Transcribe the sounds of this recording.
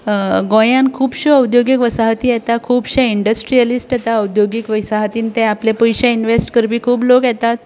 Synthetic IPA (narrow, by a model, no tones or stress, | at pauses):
ɡõjãnkʰuːbɕeəwd̪joɡikʋəsaɦt̪iːjɛt̪akʰuːbɕɛiɳɖəsʈɾijəlisʈjɛt̪aəwd̪joɡikʋəsaɦt̪iːnt̪eaplepəjɕãinʋesʈkəɾbʱiːkʰuːblokjɛt̪at̪